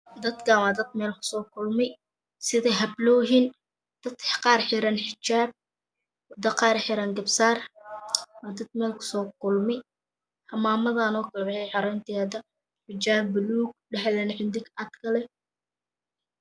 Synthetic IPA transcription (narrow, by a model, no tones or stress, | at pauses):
d̪ɐd̪kʰɐwad̪ɐd̪mɛːlkʰʊ̥sɔːkʰʊlmɪ | sɪðɛɦɐblɔːɦin | d̪̥ɐd̪qɑːrħɪɾɐnħɪt͡ʃaːb̚ | wd̪ɐqɑːrħɪɾɐŋɡɐbsaːr | waːd̪ɐd̪̚mɛːlkʰʊ̥sɔːkʰʊlmɪ | hɐmaːmɐðaːnɔːkʰɐlɐdɛħɛjħɑɾɛnt̪ʰɪːd̪ɐ | ħɪt͡ʃaːbʊluːɡ̚ɖɐħlɛnħɪnd̪ɪɡɐd̪kʰɐlɛ